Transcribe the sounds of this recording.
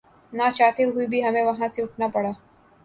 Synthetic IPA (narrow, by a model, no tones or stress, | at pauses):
nat͡ʃaːt̪eɦuibʱiɦɐmẽʋɐɦãseʊʈʰnapɐɽaː